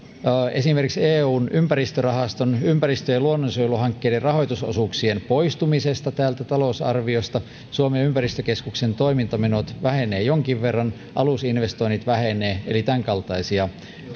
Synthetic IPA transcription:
esimerkikseːuːnʔympærist̪ørɑhɑst̪onympærist̪øjeluonːosojluhɑŋkːeːderrɑhoit̪uso̰suksienpoist̪umisest̪ɑt̪æːlt̪æt̪ɑlousɑ̰rʋiost̪ɑ | suomeympærist̪økeskuksent̪oimint̪ɑmenot̪ʋæheneːjoŋkiʋʋerːɑn | ʔɑlusinʋest̪oinːit̪ʋæheneːelit̪æŋkɑlt̪ɑisiɑ

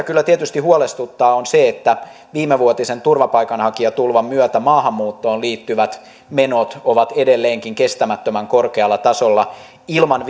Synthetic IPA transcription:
kylːæt̪iet̪yst̪ihuolest̪ut̪ːɑːonseet̪ːæ | ʋiːmeʋuot̪isent̪urʋɑpɑikɑnhɑkiɑt̪ulʋɑmmyœt̪æmɑːhɑmːuːt̪ːoːnliːt̪ːyʋæt̪ | menot̪oʋɑt̪edelːeːŋkiŋkest̪æmæt̪ːømæŋkorkeɑlːɑt̪ɑsolːɑ | ilmɑnʋ

